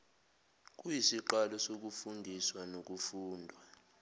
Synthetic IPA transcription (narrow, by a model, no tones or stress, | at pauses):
k̬ʼujisiǃalɔsok̬ufundʱiswanok̬ufuːndʱwa